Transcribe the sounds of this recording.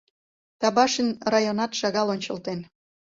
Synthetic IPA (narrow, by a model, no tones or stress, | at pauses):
t̪ɑβɑʃənrɑjonɑt̪ʃɑɣɑlonʲt͡ɕəlt̪en